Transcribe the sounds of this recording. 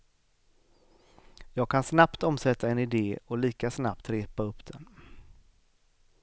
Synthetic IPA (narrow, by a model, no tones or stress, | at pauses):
jɑːɡ̚kʰansnapt̪ɔmsɛt̪ːaɛnɪd̪eːɔliːkasnapt̪ɾeːpaɵpːd̪ɛn